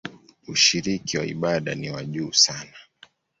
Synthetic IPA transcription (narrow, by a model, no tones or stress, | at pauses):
uʃiɾikiwaḭɓaɗaniwaʄuːsana